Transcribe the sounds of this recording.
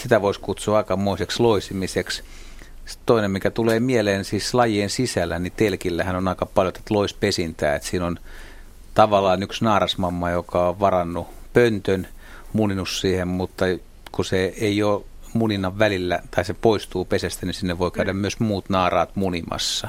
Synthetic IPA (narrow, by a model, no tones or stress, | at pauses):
sit̪æʋoiskut̪suːɑˑikɑmːoiseksloisimiseks | t̪oinemmikæt̪uleːmieleːnsiːslɑjiensisælːænit̪elkilːæhænonɑikɑpɑljot̪e̥t̪loispesint̪æ̰ːet̪siːnon | t̪ɑʋɑlːˑɑːnyksnɑːrɑsmɑmːɑjokɑoʋʋɑrɑnːupønt̪øn | muninussiːhemmut̪ːɑ | kuseeioː | muninɑʋʋælilːæt̪ɑisepoist̪uːpesest̪ænisinːeʋʋoikæydæmmyøsmuːt̪nɑːrɑːt̪munimɑ̰sːɑ